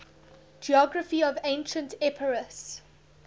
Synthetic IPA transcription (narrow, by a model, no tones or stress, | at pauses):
d͡ʒiɔɡɹəfiɔvẽɪ̃nʃə̃ntʰɛpʰəɹəs